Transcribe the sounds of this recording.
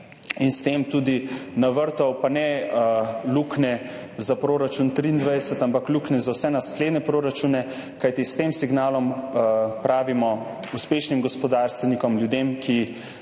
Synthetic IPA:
inst̪eːmt̪ud̪inaʋəɾt̪ɔwpanɛ | luknɛzapɾoːɾat͡ʃunt̪ɾiːnd̪ʋajd̪ɛsɛt̪ampakluknɛzawsɛnaskleːd̪nɛpɾoːɾat͡ʃunɛ | kajt̪ist̪eːmsiɡnaːlɔm | pɾaːʋimɔ | uspeːʃnimɡɔspɔd̪aɾst̪ʋɛnikɔmljud̪emkʰi

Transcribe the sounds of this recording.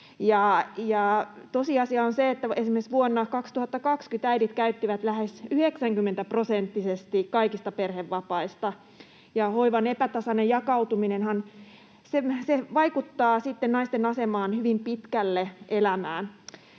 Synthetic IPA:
jɑjɑt̪osiɑsiɑonseet̪ːæesimːesʋuonːɑkɑkst̪uhɑt̪ːɑkɑkskyt̪æidit̪kæyt̪ːiʋæt̪læhesyheksæŋkymːent̪æprosent̪ːisest̪ikkɑikist̪ɑperheʋːɑpɑist̪ɑ | jɑhoiʋɑnepæt̪ɑsɑnejɑkɑut̪uminenhɑn | semseʋɑikut̪ːɑːsit̪ːennɑist̪enɑsemɑːnhyʋimpit̪kælːeʔelæmæːn

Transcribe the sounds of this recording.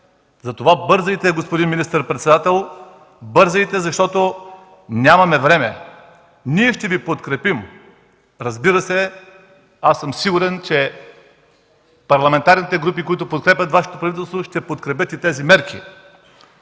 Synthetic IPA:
zɐt̪ovabɤɾzəit̪ɛɡospod̪inminist̪əɾpɾɛt̪sɛd̪at̪ɛlˠ | bɤɾzəit̪ɛzɐʃt̪ɔt̪o | nʲamɐmɛvɾɛmɛ | niɛʃt̪ɛvipot̪kɾɛpim | ɾɐzbiɾɐsɛ | asɤmsiɡuɾɛnt͡ʃɛ | pɐɾlˠɐmɛnt̪aɾnit̪ɛɡɾupikoit̪ʊpot̪̚kɾɛpʲɐt̪vaʃɛ̥t̪opɾɐvit̪ɛlˠst̪voʃt̪ɛpot̪kɾɛp̬ʲjɤt̪it̪ɛzimɛɾkʰʲḭ

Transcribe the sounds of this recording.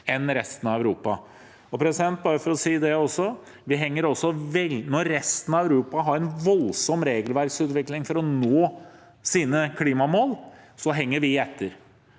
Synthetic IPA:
ɛnɾɛst̪ənɑʋæʉɾuːpɑ | ɔpʰɾɛsɪd̪ɛnt̪̚bɑːɾəfɔɾɔsiːd̪ɛɔsːɔ | ʋɪɦɛŋːəɾɔsːɔʋɛlnɔɾːɛst̪ən̩ɑæʉɾuːpɑɦɑɾɛnʋɔlsɔmɾeːɡəlʋæɾksʉːt̪ʋɪklɪŋfɔɾɔnoː | siːnəkʰliːmɑmoːlsɔɦɛŋːəɾʋɪɛt̪ʰːəɾ

